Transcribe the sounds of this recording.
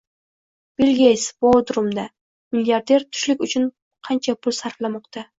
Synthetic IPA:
bɪlɡʲesbod̪ɾʊmd̪a | miljaɾd̪e̞ɾt̪ʰʊ̥ʃlɪkʲʊt͡ʃʰʊn | qʰɑnt͡ʃʰapʰʊlsaɾflamɒqt̪ʰa

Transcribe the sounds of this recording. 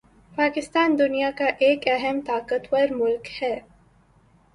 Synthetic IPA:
paːkɪst̪aːnd̪ʊnijakaʔeːkɐɦɛmt̪aːkət̪wɐɾmʊlkhɛː

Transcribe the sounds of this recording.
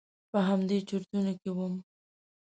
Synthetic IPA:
pəɦamd̪et͡ʃuɾt̪unokewəm

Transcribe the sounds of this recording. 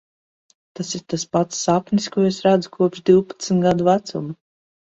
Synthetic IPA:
t̪asiɾt̪aspat̪sːapnʲiskuɔesɾad̪zukʰuɔpʃd̪iwpḁt̪snɡad̪uvæt̪sum

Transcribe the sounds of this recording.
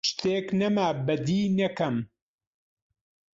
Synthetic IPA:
ʃt̪eːknɐmaːbɐd̪iːnɐkɐm

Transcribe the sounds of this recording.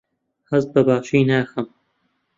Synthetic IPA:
hɐzt̪̚bɐbaːʃiːnaːxɐm

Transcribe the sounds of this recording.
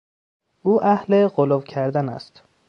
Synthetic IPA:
ʔuːʔæhleɢolovcʰæɾd̪ænæ̰st̪

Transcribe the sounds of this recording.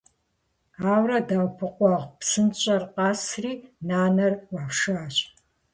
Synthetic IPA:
aːwrɐdaːwpʰɨqʷɑʁpsɨnɕʼɐrqɑːsriːnaːnɐrwɑːpʂaːɕʼ

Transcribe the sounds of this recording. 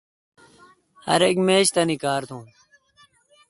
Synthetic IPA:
hɐ̰ɾekmeːɕt̪ɐnikaːɾt̪ʰũː

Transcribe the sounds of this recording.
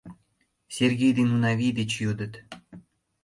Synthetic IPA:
sʲerʲɡʲejd̪ʲenunavʲijd̪ʲet͡ɕjud̪ə̆t̪

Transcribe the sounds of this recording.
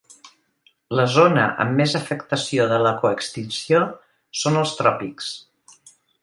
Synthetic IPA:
ləzonə̰ʔə̰mːezəfəkt̪əsioðələkoəkst̪insio | sonəlˠst̪ɾɔpiks

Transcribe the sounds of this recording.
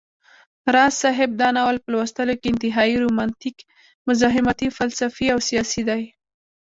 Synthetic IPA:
ɾɑsɑɦɪb̚d̪ɑnawəlpəlwast̪əlokeɪnt̪ɪɦɑiɾomɑnt̪ik | mʊzɑɦɪmat̪ifalsafiawsijɑsid̪aj

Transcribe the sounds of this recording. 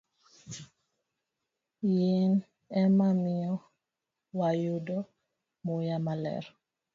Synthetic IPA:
jen | ɛmamiɔ | wajudɔ | mujamalɛ̰ɾ

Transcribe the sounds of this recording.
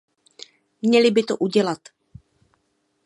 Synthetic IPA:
mɲɛlɪbɪt̪oʔuɟɛlat̪

